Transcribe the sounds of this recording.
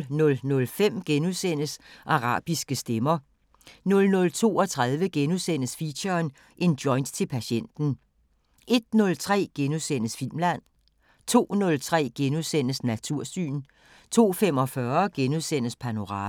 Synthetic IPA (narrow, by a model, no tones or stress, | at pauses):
nɔ̽lnɔ̽lfem̰ɡ̥enuðˠsen̰əsʔɑ̈ʁɑ̰̈ːb̥isɡ̥əsd̥emɐ | nɔ̽lnɔ̽lt͡sʰo̝̰ːɒ̽t͡sʰʁað̞ˠʋəɡ̥enuðˠsen̰əsfiɕɐːn | ʔe̝nd̥jɒ̽ɪnd̥t͡sʰe̝lpʰæɕen̰d̥n̩ | e̝d̥nɔ̽lt͡sʰʁɛ̰ːɡ̥enuðˠsen̰əsfil̰mlæn̰ | t͡sʰo̝̰ːnɔ̽lt͡sʰʁɛ̰ːɡ̥enuðˠsen̰əsnæt͡sʰuɐ̰sy̰ːn | t͡sʰo̝̰ːfem̰ɒ̽fɶɐɡ̥enuðˠsen̰əspʰæno̝ʁɑ̈ː